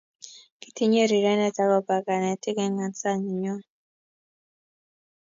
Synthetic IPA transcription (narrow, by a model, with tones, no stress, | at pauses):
ki̥˨ti˦ɲe˦˨ɾi˨ɾɛ˦nɛ˦˨ta˦lɔ˨ba˨ɡa˨nɛ˨tɪ˦ɡɛ˦ŋa˨nsa˦˨ɲi˨ɲɔ˦